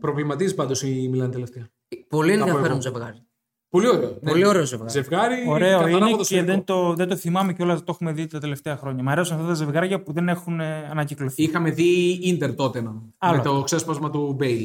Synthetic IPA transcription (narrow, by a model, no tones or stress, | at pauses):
pɾo̞vlimɐt̪iespɐnd̪osimilɐnet̪ele̞ft̪eɐ | po̞lienðiɐfeɾomzevɣɐɾi | po̞lio̞ɾeonolio̞ɾeozevɣɐze̞vɣɐɾioɾe̞oineoseðent̪oðed̪oθimɐmeceo̞lɐzt̪o̞xume̞ðit̪t̪ɐt̪e̞left̪e̞ɐxɾo̞ɲɐmɐɾe̞osnɐft̪ɐt̪ɐzevɣɐɾʝɐpuðe̞ne̞xuneɐnɐcikloθiixɐme̞ðiind̪eɾt̪o̞t̪enɐnɐmlɐot̪oksespɐzmɐt̪ubejl